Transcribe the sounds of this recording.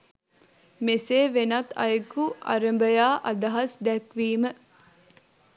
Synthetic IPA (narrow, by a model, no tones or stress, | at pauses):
meseːʋenɐt̪ːɐ̰jəkuʔɐ̰ɾəmbəjaːʔɐd̪ɐɦɐsd̪ɛkʋiːmə